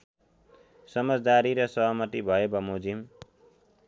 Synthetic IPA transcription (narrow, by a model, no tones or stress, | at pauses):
sʌmʌd͡zd̪aɾiɾʌsʌɦʌmʌt̪ibʱʌjebʌmod͡zim